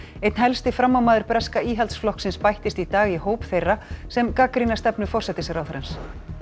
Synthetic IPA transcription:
ejt̪nɦɛlst̪ɪfɾamːawmaːðʏɾpɾɛskaiːɦalt̪sflɔhksɪnspajht̪ɪst̪it̪aːɣihoːwpθejrːasɛmkaːkɾinast̪ɛpnʏfɔrsɛt̪ɪsɛɾawθɾɛns

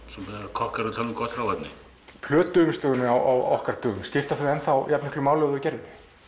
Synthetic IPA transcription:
sɛmpɛɾakʰɔhkaɾɪt̪ʰalŋkʰɔt̪fɾawvɛt̪nɪ | pʰlœːt̪ʏʏːmʏst̪œɣʏnɪawʔawɔhkaɾ̥t̪ʰœːɣʏmscɪft̪aθɛɾɛnθawjap̪nɛhklʏmaːwlœɣðʏcɛɾvɪ

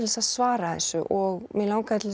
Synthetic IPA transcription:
ɪlesaðsvaːɾaθɛ̰sːʏʔɔɣmɛðlaːwkaðt̪ʰɪl

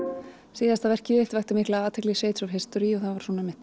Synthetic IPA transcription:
siːðast̪avɛr̥cɪɪht̪vajht̪ʏmiklaaːt̪ʰɛkliseːjt̪sɔvɦɪst̪ɔɾiɔɣθavḁsɔːnamɪht̪

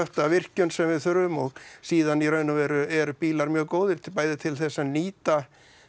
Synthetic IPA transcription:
œht̪avɪr̥cʏnsɛmvɪðθʏɾʏmɔɣsiːðaniɾœːɥnʏvɛɾʏɛɾpiːlaɾmjœːɣkoːwðɪɾ̥t̪paːjðɪt̪ʰɪlθɛsːaniːt̪a

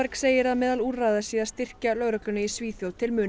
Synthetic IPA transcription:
aɾkseːjɪɾaðmɛːðaluːɾrajðasiːðaðst̪ɪr̥calœɣɾœklʏnʏisviːθjowlt̪ʰɪlmʏn

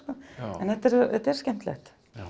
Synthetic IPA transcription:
kɔːɛnɛht̪ɛɾɛt̪ɛɾ̥scɛm̥t̪lɛ̰xt̪

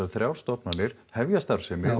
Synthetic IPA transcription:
aðθɾjawɾ̥st̪ɔpnanɪɾ̥hɛvjast̪aɾ̥sɛmɪ

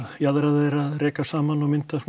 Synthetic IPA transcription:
jaðɾaðɪɾaðrɛːkasaːmanɔwmɪnt̪a

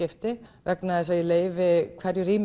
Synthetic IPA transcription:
ɪft̪ɪvɛknaðɪsajɪleːjvɪkʰv̥ɛɾjʏɾiːm

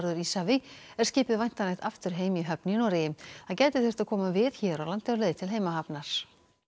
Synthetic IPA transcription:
ɾðʏɾisavɪ | ɛɾ̥scɪːpɪðvajn̥t̪anaht̪aft̪ʏɾ̥ɦeːjmiɦœpnɪnɔɾɪjɪmθaðcɛjt̪ɪθɪr̥t̪aðkʰɔːmavɪðçɛɾawlant̪ɛʏɾleːjðɪt̪ʰɪlɦeːjmaɦapnaɾ̥

